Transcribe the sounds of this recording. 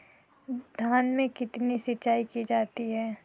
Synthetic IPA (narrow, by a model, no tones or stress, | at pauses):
d̪ʱjaːnmẽkɪt̪nisɪt͡ʃaːikid͡ʒaːt̪iɦɛː